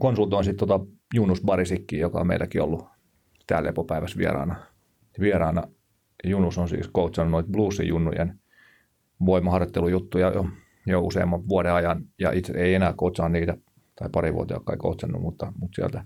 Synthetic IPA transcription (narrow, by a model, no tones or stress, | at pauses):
konsult̪oinsit̪t̪ot̪ɑ | junːusbɑrisikːiːjokɑ̰o̰meilːˑʔækio̰lːu | t̪æ̰ːlḛpopæiʋæsʋḭḛrɑ̰ːnɑ | ʋieɾɑːnɑ | junːusonsḭːskout̪sɑnːunoit̪bluːsːḭjunːujḛn | ʋoimːˑɑhɑrjot̪ːelujut̪ːujɑjo̰ | jousḛimːɑʋuodeɑjɑnjɑ̰ʔit̪seeienæːkout̪sɑːnniːt̪æ | t̪ɑipɑriʋṵot̪ḛɑ̰kːɑ̰iko̰ut̪sɑnːṵmut̪ːɑmut̪siæ̰lt̪æ